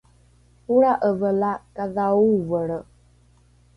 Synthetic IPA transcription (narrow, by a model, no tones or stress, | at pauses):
huɺaʔəvəlakaðauvəɺə